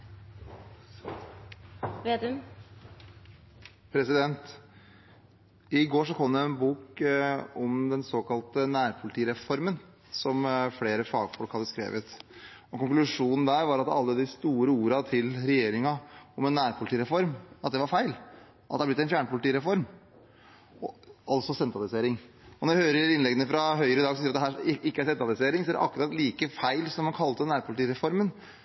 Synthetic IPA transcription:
e | pʰɾɛsɪd̪ɛnt̪ | ɪɡoːʂɔkʰɔmːd̪ɛɛnbuːk | ɔmd̪ɛnsoːkɑlt̪ənæːɾpʰʊlɪt̪iːɾɛfɔɾmən | sɔmfɽeːɾəfɑːɡfɔlkhɑd̪ːəskɾḛːʋət̪ | ɔkʊŋklʉʂuːnn̩d̪æːɾʋɑɾɑt̪ɑ̰lːəd̪ɪst̪uːɾəuːɾɑt̪ʰɪlɾɛjeːɾɪŋɑɔmɛnːæːɾpʰʊlɪt̪iːɾɛfɔɾmɑt̪̚d̪ɛʋɑɾfæɪl | ʔɑt̪d̪ɛæblɪt̪ːɛnfjæːɳəpʰʊlɪt̪iːɾɛfɔɾm | ɔɑlt̪sɔsɛnt̪ɾɑlɪseːɾɪŋ | ɔnɔɾʋɛhøːɾəɾɾɪnlɛɡənəfɾɑɦœʏɾəɪd̪ɑːɡsɔsiːɾɑt̪d̪ɛɦæːɪkːəæɾsɛnt̪ɾɑlɪseːɾɪŋsɔd̪æɾɛʔɑ̰kɾɑːt̪liːkəfæɪlsɔmhɑnkʰɑlt̪ənæːɾpʰʊlɪt̪iːɾɛfɔɾmən

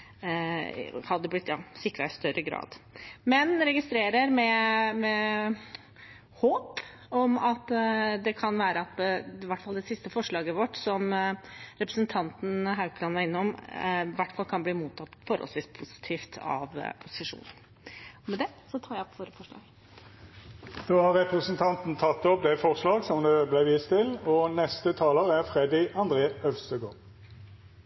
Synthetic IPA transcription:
hɑd̪ːəblɪt̪ːjɑːsɪkːɾɑɪst̪œɾʔəɡɾɑ̰ːd̪mɛnɾɛɡɪst̪ɾeːɾəɾmɛmɛ | hoːp | ɔmɑt̪d̪ɛkʰɑnʋæːɾəɑt̪ʋæʈːfɑld̪ɛsɪst̪əfɔʂɭɑːɡəʋɔʈsɔm | ɾɛpɾəsənt̪ʰɑnt̪n̩ɦaʉklɑnʋæɾɪnːɔmʋæʈːfɑlkʰɑnbliːmuːt̪ʰːɑt̪ːfɔɾhɔ̰lsʋiːspʰʊsɪ̥t̪ʰiːft̪ʰɑ̰ʋ̰pʰʊsɪʂṵːnn̩ | ɔmɛd̪ɛsɔt̪ʰɑːɾjæɔpʋoːɾəfɔʂɭɑ̰ːɡ | d̪̥oːhɑʁʁɛpʁəsənt̪ʰɑnt̪n̩t̪ʰɑt̪ːɔp̚d̪ɛfɔʁslɑːɡsɔmd̪ɛblæɪʋiːst̪ɪlɔnɛst̪ət̪ʰɑːləʁæʁfʁɛd̪ɪɑnd̪ʁeːœʋst̪əɡoːʁ

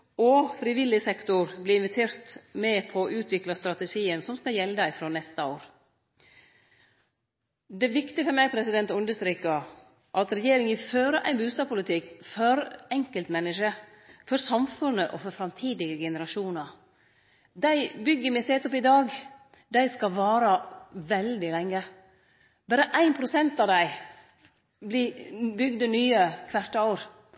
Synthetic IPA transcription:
ɔfɾɪʋɪlːɪsɛkt̪ʊɾblɪːɪnʋɪt̪ʰeːɾt̪mɛpʰɔʔʉːt̪ʰʋɪklɑst̪ɾɑt̪ɛʂiːənsɔmskɑjɛld̪ɑɪfɾoːnɛst̪əoːɾ | d̪ɛʋɪkt̪ɪəfɔɾmæɪpʰɾɛsɪd̪ɛnt̪ʉnd̪əʂt̪ɾiːkə | ʔɑt̪ɾɛjeːɾɪŋɪføːɾəʔæɪnbʉːst̪ɑːbpʊlɪt̪ʰɪkfɔɾɛŋkəlt̪mɛnːəʂə | fɔɾsɑmfʉnːəʔɔfɔɾfɾɑmt̪ʰiːd̪ɪɡəɡɛnəɾɑʂuːnɑɾ | d̪æɪbʏɡːəɾmɪseːt̪ɔpːɪd̪ɑːɡ | d̪æɪskɑʋɑːɾəʋɛld̪ɪlɛŋːə | b̥æːɾəʔæɪnpʰɾʊsɛnt̪ɑd̪æɪ | blɪbʏɡd̪ənyːəkʰʋæʈ̪ːɾ

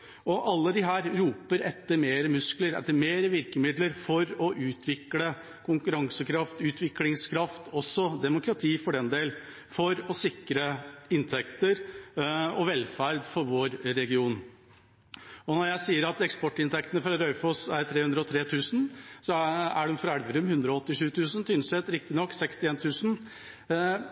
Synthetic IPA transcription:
ɔʔɑlːəd̪ɪɦæːɾɾuːpəɾɛt̪ːəɾmeːɾəmʉskləɾɛ̰t̪ːəɾmeːɾəʋɪɾkəmɪd̪ləɾfɔɾɔʔʉːt̪ʰʋɪklə | kʰʊŋkʉɾɑŋsəkʰɾɑft̪ʉːt̪ʰʋɪklɪŋskʰɾɑft̪ɔsːɔd̪ɛmʊkɾɑt̪ʰiːfɔɖɛnd̪eːl | fɔɾɔsɪkɾəɪnt̪ʰɛkt̪əɾ | ɔʋɛlfæɾd̪fɔɾʋoːɾɾɛɡɪuːn | ɔnɔɾjæɪsiːəɾɑt̪ɛkspɔʈːɪnt̪ʰɛkt̪ənəfɾɑɾœʏfosæɾt̪ʰɾeːʉnd̪ɾəɔt̪ʰɾeːt̪ʰʉːsn̩sɔæɖɛmfɔɾæɽʋəɾʉmhʉnd̪ɾɔɔt̪ːɪʂʉːt̪ʰʉːsn̩syːnsɛt̪ɾɪk̚t̪ɪnɔkːsɛkst̪ɪeːnt̪ʰʉːsn̩

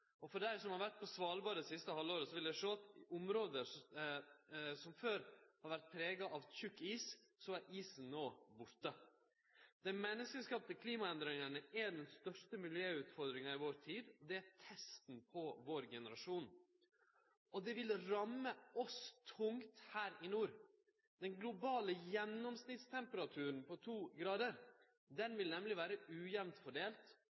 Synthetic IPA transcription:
ɔfɔɖæɪsɔmhɑɾʋæʈ̚pʰɔsʋɑːlbɑːɾəd̪ɛsɪst̪əhɑlːoːɾəsɔʋɪld̪æʂoːɑt̪ʔʊmɾoːd̪ə | sɔmføːɾhɑɾʋæɾt̪̚pʰɾeːɡɑʔɑʋçʉkːiːssɔæɾʔiːsn̩noːbʊɾʈə | d̪̥ɛmɛnːəskəskɑːp̚t̪ɪkʰliːmɑɛnd̪ɾɪŋəɳəæɖɛnst̪œʂʈəmɪljøːʉːt̪fɔɾd̪ɾɪŋɑɪʋoːɾt̪ʰiːd̪ɔd̪ɛæt̪ʰɛst̪npʰɔʋoːɾɡɛnəɾɑʂuːn | ʔɔd̪ɛʋɪlɾɑmːəɔst̪ʰʊŋt̪hæːɾɪnuːɾ | d̪ɛnŋɡlʊbɑːləjɛnːɔmsnɪt̪st̪ʰɛmpəɾɑt̪ʰʉːɾənpʰɔt̪ʰuːɡɾɑːd̪əɾ | d̪ɛnʋɪlnɛmlɪʋæːɾəʉːjɛʋnt̪fɔɖeːlt̪

